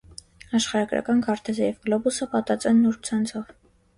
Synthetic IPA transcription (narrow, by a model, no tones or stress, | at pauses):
ɑʃχɑɾɑɡɾɑ̰kɑnkʰɑɾt̪ʰɛzəjɛvɡlɔbusəpɑt̪ɑt͡sʼɛnːuɾt͡sʰɑnt͡sʰɔv